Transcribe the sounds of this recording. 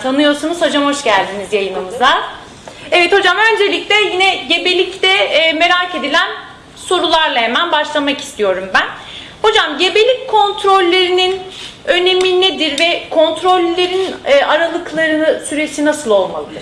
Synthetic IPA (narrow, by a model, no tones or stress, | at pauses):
t̪ʰanɯjo̞ɾsunuzhad͡ʒamho̞ʃɟælʲd̪inizjajɯmɯmɯza | evɛt̪ho̞d͡ʒamø̞nd͡ʒe̞lʲic̚lʲɛjinɛɟe̞be̞lʲict̪ɛme̞ɾaːce̞d̪ilʲæn | so̞ɾulˠaɾlˠaɦemænbaʃlˠamaki̥st̪ʰijo̞ɾumbæn | ho̞d͡ʒamɟe̞be̞lʲic̚kʰo̞nt̪ʰɾo̞lʲːeɾininøne̞mined̪iɾvɛkʰo̞nt̪ɾo̞lʲːeɾinːʔaɾalˠɯklˠaɾɯnɯsyɾe̞sinasɯlˠo̞lˠma̰lˠɯ